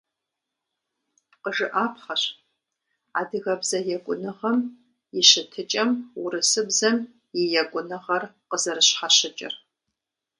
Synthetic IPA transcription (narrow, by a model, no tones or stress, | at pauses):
qəʒɨʔaːpʰχɐɕ | a̰ːdɨɣɐbzɐjɛkʷʼʊnɨʁɐm | jɪɕɪtʰɨt͡ʃʼɐmwʊrɨsɨbzɐm | jɪjɛkʷʼʊnɨʁɐrqəzɐɾɨɕħaɕɪt͡ʃʼɪ̰r